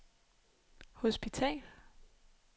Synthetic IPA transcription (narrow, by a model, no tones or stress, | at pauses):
hosb̥it͡sʰɛ̰ːl